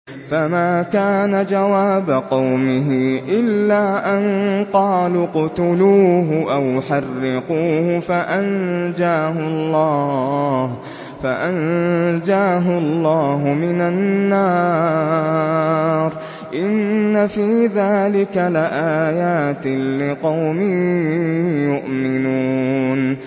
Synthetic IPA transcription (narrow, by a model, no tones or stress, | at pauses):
famaːkaːnad͡ʒawaːbaqɑwmɪɦɪʔɪlːaːʔanqɑːlʊqʊt̪ʊluːɦʊʔawħɑrːɪquːhʊfaʔand͡ʒaːɦʊɑlˤːɑːh | faʔand͡ʒaːɦʊlˤːɑːɦʊmɪnanːaː | ɾ | ʔɪnːafiːðaːlɪkalɪʔaːjaːt̪ɪlɪqɑwmɪ | jʊʔmɪnuːn